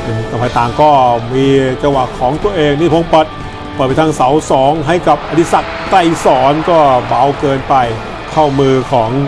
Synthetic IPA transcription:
ʔɯː˧˩kpʰa˧jt̪aː˨˩ŋkɔː˥˩miː˧t͡ɕa˧wa˨˩kʰːɔː˩˦ŋt̪u˧ɐʔeː˧ŋniː˥˩pʰoː˧˥ŋpɤ˨˩t̪̚ | pɤː˨˩t̪̚pa˧jt̪ʰa˥˧sa˩˦wsɔː˩˦ŋɦa˥˩jka˨˩p̚ʔa˧d̪i˧˩sa˨˩k̚t̪a˧˥˩jsɔː˩˦nkɔː˥˩ba˨˧˥wkɤː˧npa˧j | kʰa˥˩wmɯː˧kʰɔː˩˦ŋ

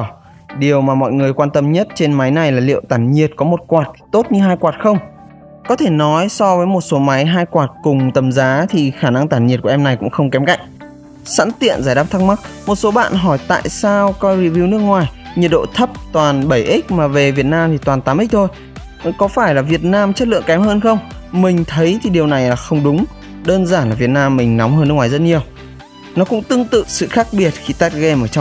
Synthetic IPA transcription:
ɗi˨˩əwmaː˨˩mɔ̰˧˨jŋɨ˨˩əjkwaː˧nt̪ə˧mɲə˦˥t̚t͡ɕe˧nma˨˦jna˨˩jlaː˨˩lḭ˧˨ə˨wt̪aː˧˩nɲi˨˩ət̚kɔ˨˦mo˨˩t̚kwaː˨˩t̚t̪o˦˥t̚ɲɨ˧ɦaː˧jkwaː˨˩t̚xə˧wŋ͡m | kɔ˨˦t̪ʰe˧˩nɔ˨˦jsɔ˧vəː˨˦jmo˨˩t̚so˨˦ma˨˦jɦaː˧jkwaː˨˩t̚kʊ˨˩ŋ͡mt̪ə˨˩mzaː˨˦t̪ʰi˨˩xaː˧˩na˧ŋt̪aː˧˩nɲi˨˩t̚ku˧˩˨ʔɛ˧mna˨˩jkʊ̰˧˥ŋ͡mxə˧wŋ͡mkɛ˨˦mka̰˧˨jŋ̟̚ | sa̰ː˧˥nt̪ḭ˧˨ənzaː˧˩jɗaː˦˥p̚t̪ʰa˦˥k̚ma˦˥k̚mo˨˩t̚so˨˦ɓa̰ː˧˨nɦɔ˧˩jt̪a̰ː˧˨jsaː˧wkɔ˨˧ɾi˧vi˧wnɨ˦˥ək̚ŋwaː˨˩jɲi˨˩t̚ɗo̰˧˨t̪ʰə˦˥p̚t̪waː˨˩nɓə˧˩jʔi˦˥k̚maː˨˩ve˨˩vi˨˩ət̚naː˧mt̪ʰi˨˩t̪waː˨˩nt̪aː˨˦mʔi˦˥k̚t̪ʰo˧j | kɔ˨˦faː˧˩jlaː˨˩vi˨˩ət̚naː˧mt͡ɕə˦˥t̚lɨ̰˧˨əŋkɛ˨˦mhəː˧nxə˧wŋ͡m | mï˨˩ŋ̟t̪ʰə˨˦jt̪ʰi˨˩ɗi˨˩əwna˨˩jlaː˨˩xə˧wŋ͡mɗʊ˨˦ŋ͡m | ɗəː˧nzaː˧˩nlaː˨˩vi˨˩ət̚naː˧mːï˨˩ŋ̟nɔ˨˦ŋ͡mhəː˧nːɨ˦˥kŋwaː˨˩zə˦˥t̚ɲi˨˩əw | nɔ˨˦kʊ̰˧˥ŋ͡mt̪ɨ˧əŋt̪ɨ̰˧˨sɨ̰˧˨xaː˦˥k̚ɓi˨˩ət̚xi˧t̪aː˦˥t̚ɣe˧mʔəː˧˩t͡ɕa˧wŋ͡m

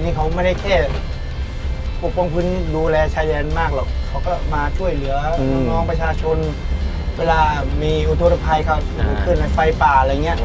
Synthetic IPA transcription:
niː˧˩kʰa˦˥wmaː˥˩da˥˩kʰɛː˥˩ | po˨˩p̚kɔ˧ŋpʰɯ˧˥ni˥duː˧lɛː˧t͡ɕʰaː˧˩jdɛː˧nmaː˥˩k̚lɔː˨˩k̚kʰːa˦˥wkɔː˥˩maː˧t͡ɕʰu˥˩əjlɯ˨˩˦ɐnɔ˥˧˩nɔː˥˩ŋpɾa˧t͡ɕʰaː˧t͡ɕʰo˧n | weː˧laː˧miː˧ʔu˧˩t̪ʰo˧t̪pʰa˧jkʰa˥˩p̚ːkʰɯː˧˩nna˧fa˧jpaː˨˩˧la˧˨˩ŋi˦˥ɐʔ

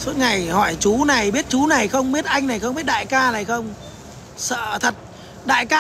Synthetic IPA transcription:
su˦˥t̚ŋa˨˩jhɔ˧˩jt͡ɕu˨˦na˨˩jɓi˦˥ət̚t͡ɕu˨˦na˨˩jxə˧wŋ͡mɓi˦˥ət̚ʔa˧jŋ̟na˨˩jxə˧wŋ͡mɓi˦˥ət̚ɗa̰ː˧˨jkaː˧laː˨˩jxə˧wŋ͡m | sə̰ː˧˨t̪ʰə˨˩t̚ | ɗa̰ː˧˨jkaː˧

